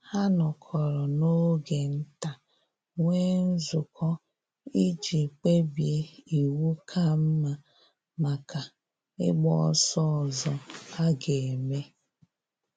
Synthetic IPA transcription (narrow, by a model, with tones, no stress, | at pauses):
ha˦nɔ˨kʰɔ˨ɾɔ˨no˦ɡe˨n̩˦ta˨ | ŋʷe˦n̩˦zʊ˨kʰɔ˦ | i˦d͡ʒi˨k͡pe˦bje˦i˨wu˦kʰa˦m̩˦ma˨ | ma˨ka˨ | ɪ̰˦ɡ͡bɔ˦sɔ˦ɔ˨zɔ˨a˦ɡe˨e˨me˦